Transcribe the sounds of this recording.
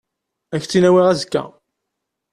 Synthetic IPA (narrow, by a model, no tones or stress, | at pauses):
æçt͡sːinæwiʁæzəkːæ̰